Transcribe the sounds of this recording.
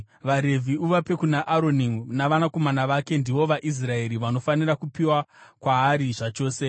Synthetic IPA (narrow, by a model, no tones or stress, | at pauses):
ʋaɾe̞vʱiuʋape̞kunaʔaɾo̞ninaʋanako̞manaʋake̞ndiʋo̞ʋaʔis̬rae̞ɾiʋano̞fanirakupiwakwaːɾiʐat͡ʃo̞ːse̞